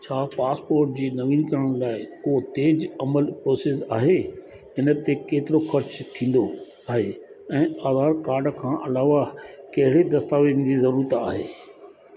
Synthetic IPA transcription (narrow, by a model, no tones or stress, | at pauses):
t͡ɕʰaːpaːspoːɾʈ̚d͡ʑiːnɐʋiːnkɐɾəɽ̃laːɪkot̪eːd͡ʑɐməlpɾoːseːsa̰ːɦe | ɪnə̆t̪ekeːt̪ɪɾoxɐɾt͡ɕt̪ʰĩːn̆d̪o | aːɦeːɛ̃ːaːzaːɾkaːɾɖkʰãːʔɐlaːʋakɐɦɪɽed̪ɐst̪aːʋiːnɪd͡ʑiːzɐɾuːɾət̪a̰ːɦeː